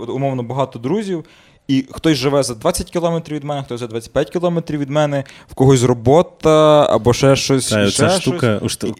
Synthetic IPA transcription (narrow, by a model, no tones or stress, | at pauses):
ɔʊmɔwnɔbɐɦɑt̪ɔd̪ɾuzʲiw | ixt̪ɔsʲʒɪʋɛzɐd̪ʋat͡sʲːɐtʲkʲɪlˠɔmet̪ɾʲiwʋʲid̪mɛnɛxt̪ɔjzɐd̪ʋɑt͡sʲːɐ̥pʲjat̚ʲkʲiɪlˠɔmet̪ɾʲiwʋʲid̪mɛnɛwkɔɦɔs̬ʲrɔbɔt̪ɐɐ̰bɔʃɛʃt͡ʃɔsʲɔsaɛʃt̪uɔkɐʃ